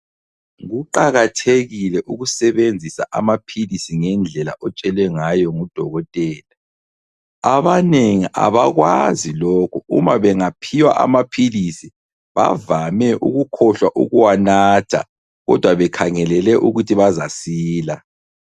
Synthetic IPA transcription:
ɣuǃaɣatʰeɣilɛʔuɣusɛβend͡zʱisa̰ʔamapʰilisiŋɛnd͡ɮʱɛla̰ʔɔt͡ʃʼɛlwɛŋajɔŋud̥ʱɔɣɔtʼɛːla | aβaneŋiʔa̰βaɣwa̰zilɔkʰuṵmaβɛŋapʰiwaʔa̰mapʰilisi | βa̰vamɛʔuɣukʰɔɬwaʔṵɣuwanatʰa̰ | ɣɔ̰d̥ʱwaβɛkʰaŋɛlɛlɛʔuɣutʰiβazasiːla

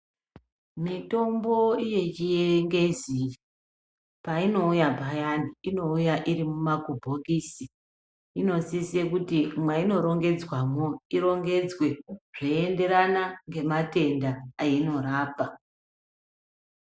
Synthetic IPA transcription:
mito̞mbo̞ije̞t͡ʃijeŋɡe̞zii | paino̞ujabʱajaniino̞ujaʔiɾimumakubʱo̞kiːsi | ino̞sisekutimwaino̞ɾo̞ŋɡe̞d͡zwamoiɾo̞ŋɡe̞d͡zwe̞ʐ̥oie̞nde̞ɾanaŋɡe̞mate̞ndaːino̞raːpa

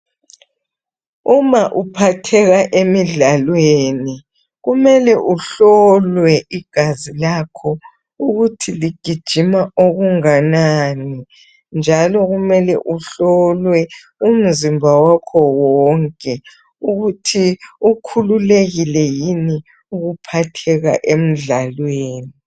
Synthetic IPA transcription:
umaʔupʰatʰɛɣaʔemiɮalweːni | ɣumɛlɛʔuɬɔlwɛʔiɡ̥ʱazilakʰɔ | uɣutʰiliɡ̥ʱid̥ʒ̥ʱimaʔoɣuŋanani | nd͡ʒʱalɔɣumɛlɛ̰ʔuɬɔlwɛ | um̩zimbʱawakʰɔwɔŋkʼɛ | uɣutʰiukʰululeɣilɛjini | uɣupʰatʰɛɣa̰ʔem̩ɮalweːni

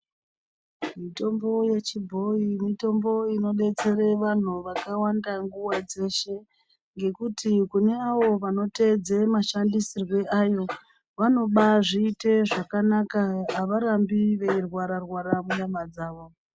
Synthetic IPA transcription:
mito̞mbo̞je̞t͡ʃibʱo̞imito̞mbo̞ino̞ɓe̞t͡se̞re̞ʋan̤uʋakawandaŋɡuwad͡ze̞ʃe̞ | ŋɡe̞kutʰikune̞aʋo̞ʋano̞te̞d͡zemaʃandisirwe̞ʔaːjo̞ | ʋano̞ɓaʐiːte̞ʐakanakaːʋaɾambiʋe̞irwaɾarwaɾamuɲamad͡zaːʋo̞

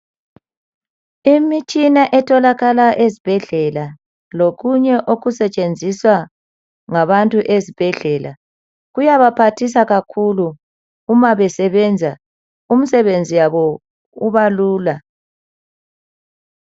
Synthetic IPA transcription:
imit͡ʃʼinaʔɛtʰɔlaɣalaʔezib̥ʱɛɮɛla | loɣuɲɛʔoɣusɛt͡ʃʼend͡zʱiswa | ŋaβantʼuʔezib̥ʱɛɮɛla̰ | ɣujaβapʰatʰis̬aɣakʰuluː | maβɛsɛβɛnd͡zʱa | um̩sɛβend͡zʱijaβɔ | uβaluːla

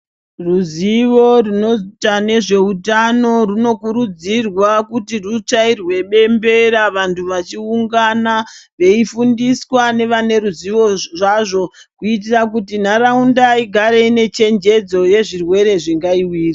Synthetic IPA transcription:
ruziʋo̞runo̞tane̞ʐe̞utano̞runo̞kuɾud͡zirwakutirut͡ʂairwe̞ɓe̞mbe̞ɾaʋantʰuʋat͡ʃiuŋɡanaʋe̞ifundiswane̞ʋane̞ɾuziʋo̞ʐaʐo̞ | kuit̬irakutin̤aɾaundaiɡʱaɾeine̞t͡ʃe̞nd͡ʒe̞d͡zo̞je̞ʐirwe̞ɾe̞ʐiŋɡaiwiːri

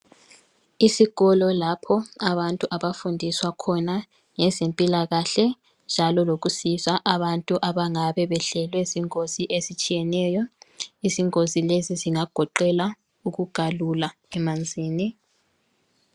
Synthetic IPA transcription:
isiɣɔlɔlapʰɔaβantʼuʔaβafundʱiswakʰɔna | ŋɛzempʼilaɣaɬɛ | nd͡ʒʱalɔloɣusizaʔaβantʼuʔaβaŋaβɛβɛɬɛlwɛziŋoziʔezit͡ʃʼijɛnɛjɔiziŋozileziziŋaɡ̥ʱɔǃɛla | uɣuɡ̥ʱalula | ɛmand͡zʱiːni

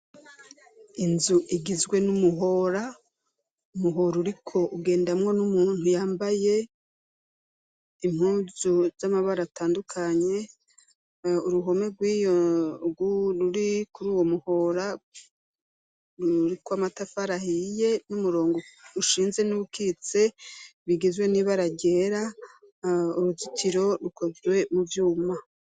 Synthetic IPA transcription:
inzuʔiɡizɡwe̞numuɦo̞ɾa | umuɦo̞ɾuɾikʰo̞ʔuɡe̞ːndamŋo̞numuːn̥hujaːmbaje̞ | im̥huːzuz̥amaβaɾataːndukʰaɲe̞ | uɾuɦo̞me̞ɡwiːjoɡuɾuɾikuɾuːwo̞muho̞ɾa | ɾuɾikwamatafaɾahije̞numuɾo̞ːŋɡo̞uʃiːnze̞nuβukʰit͡se̞βiɡizwe̞niːβaɾaɟe̞ɾa | uɾuzutʰiɾo̞ɾukʰo̞zwe̞muvjuːma

